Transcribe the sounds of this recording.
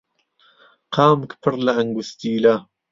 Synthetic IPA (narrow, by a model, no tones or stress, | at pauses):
qʰɑːmkpʰɨɾlɐʔɐŋɡust̪iːlɐ